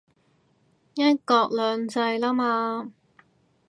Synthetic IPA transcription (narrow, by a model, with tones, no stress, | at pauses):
jɐ˥t̚kɔː˧k̚lœː˨˧ŋt͡sɐ˧jlaː˥maː˧